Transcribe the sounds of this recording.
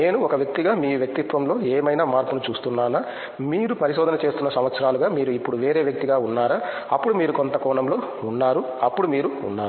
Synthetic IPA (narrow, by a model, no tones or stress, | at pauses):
ne̞ːnuɔkɐʋjɐk̚t̪iɡaːmiːuʋjɐk̚t̪it̪ʋɐmlo̞ːeːmɐjnaːmaːɾpunut͡ʃuːst̪unːaːnaː | miːɾupɐɾisoːd̪ɐnɐt͡ʃe̞ːst̪unːɐsɐmʋɐt̪sɐɾaːluɡaːmiːɾuipːuɽuʋe̞ːɾeːʋjɐk̚t̪iɡaːunːaːɾaː | ɐpːuɽumiːɾuko̞nt̪ɐkɔːɳɐmlo̞ː | unːaːɾu | ɐpːuɽumiːɾuṵnːaːɾu